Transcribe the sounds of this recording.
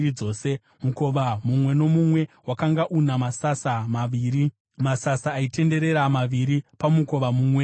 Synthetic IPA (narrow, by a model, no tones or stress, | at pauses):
id͡zo̞ːse̞ | muko̞ʋamumwe̞no̞mumwe̞wakaŋɡaʔunamasasamaʋiːɾi | masasaːite̞nde̞ɾe̞ɾamaʋiɾipamuko̞ʋamuːmwe̞